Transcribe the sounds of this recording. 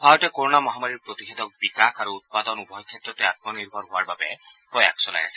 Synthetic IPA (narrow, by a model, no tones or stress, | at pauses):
bʰaɹɔtɛkoɹɔnamɔɦamaɹiɹpɹot̪ixed̪ɔk̚bikakʰaɹuːt̪̚pad̪ɔnupɔɦjkʰːɛtɹɔtɛat̚mɔniɹbʱɔnɦowaɹbabɛ̰pɹɔja̰xsɔla̰jasɛ̥